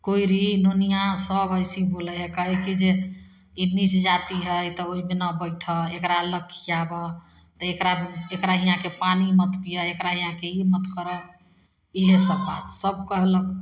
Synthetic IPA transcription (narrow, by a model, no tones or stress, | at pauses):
koiɾinonijãsəbəɪsibolɛɦekəɦɛkid͡ʒe | init͡ʃd͡ʒat̪iɦəjt̪ɔoɦimenəbəɪʈʰəekɾaləkʰːijabə | t̪ɔekɾaekɾaɦiɦãkepanimət̪pijəekɾaɦĩɦãkeimət̪kəɾɛ | iɦesəbːa̰t̪səb̚kəɦlək